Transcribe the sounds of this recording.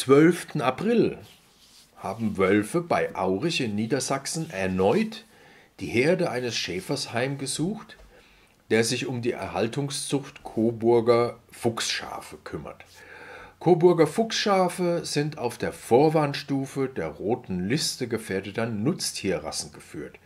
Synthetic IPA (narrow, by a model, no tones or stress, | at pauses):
t͡sv̥œlftn̩apʁ̥ɪl | haːbm̩vœlfəbaɪʔaʊʁɪçɪnːiːdɐzaksn̩ʔɛɐnɔʏt | d̥iːheːɐdəʔaɪnəsʃɛːfɐshaɪmɡəzuːxt | d̥eːɐzɪçʊmdiːʔɛ̰ɐhaltʊŋst͡sʊxtkʰoːbʊɐɡɐfʊksʃa̰ːfəkʰʏmɐ̰t | kʰoːbʊɐɡɐfʊksʃaːfəz̥ɪntʰaʊfd̥eːɐfoːɐvaːnʃtuːfədeːɐʁoːtn̩lɪstəɡəfeːɐdətɐnʊt͡stʰiːɐʁa̰sn̩ɡəfyːɐt